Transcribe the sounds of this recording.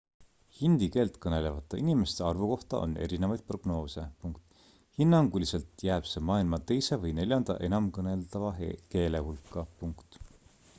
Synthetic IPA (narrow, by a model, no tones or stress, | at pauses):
hind̪̥ike̞ːlt̪kɤne̞le̞vɑt̪ːˑɑʔinime̞st̪e̞ɑrvuko̞ht̪ɑ̰ʔo̞̰nːe̞̰ɾinevɑjd̪̥̚pro̞ɡ̥no̞ːse̞puŋkt̪ˑ | hinːɑŋɡulise̞lt̪jæːb̥se̞mɑːilmɑt̪e̞jse̞vɤjne̞lʲjɑnd̪̥ɑ̰ʔe̞nɑmkɤne̞ld̪ɑvɑke̞ːle̞hulkːˑɑpuŋkt̪